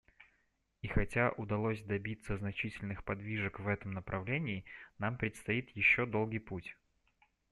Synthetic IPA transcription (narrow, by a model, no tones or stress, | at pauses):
ixɐtʲaʔʊd̪ɐlˠosʲd̪ɐbʲit̪səznɐt͡ɕitʲɪlʲnɨxpɐd̪vʲiʐəkvɛt̪əmnəpɾʔɐvlʲenʲɪːnampɾʲɪt̪st̪ɐit̪jɪɕːo̞d̪o̞lˠɡijputʲ